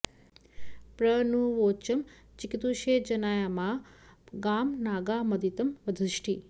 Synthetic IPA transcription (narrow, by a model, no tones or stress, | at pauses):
pɾənuʋot͡ʃəm | t͡ʃikit̪uʃed͡ʒənajamãɡaːmnaɡamɐd̪ʱit̪əmʋəd̪ʱɨʃʈʰi